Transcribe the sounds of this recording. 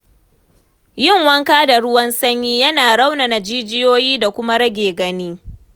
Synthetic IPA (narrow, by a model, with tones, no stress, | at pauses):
jɪ˦˨ŋwɐ˦ŋkaː˦da˨ɽʊ˦wɐ˦nsɐ˦ɲjiː˦jɐ˦naː˨ɽa˦wna˨na˨d͡ʒiː˦d͡ʒɪ˦joː˦jiː˦da˨kʷʊ˦ma˦ɽɐ˦ɡʲeː˨ɡɐ˦niː˦